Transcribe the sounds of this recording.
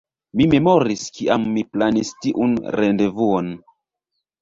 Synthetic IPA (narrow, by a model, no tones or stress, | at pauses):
mime̞moɾiskiʔamːiplanistiʔṵnɾendevuon